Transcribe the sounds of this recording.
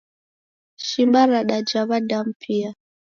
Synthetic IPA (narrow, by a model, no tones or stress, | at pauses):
ʃimbaɾaɗad͡ʒaβadam̩pʰia